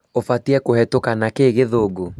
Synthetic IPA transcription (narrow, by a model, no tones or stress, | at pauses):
ofatiɛkohɛtokanakeːɣeðoɡo